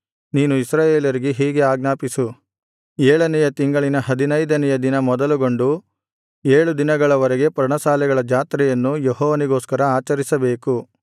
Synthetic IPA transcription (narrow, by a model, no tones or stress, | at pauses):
niːnuisɾaːjeːljɐɾiɡeɦiːɡe̞aːɡnaːpisu | eːɭɐnɛjɐt̪iŋɡɐɭinɐɦɐd̪inɐjd̪ɐnɛjɐd̪inɐmɔd̪ɐluɡo̞ɳɖu | eːɭud̪inɐɡɐɭɐʋɐɾɛɡe̞pɾɐɳɐsaːlɛɡɐɭɐd͡ʒaːt̪ɾɛjɐnːujeɦɔːʋɐniɡo̞ːskɐɾɐaːt͡ʃɐɾisɐbe̞ːku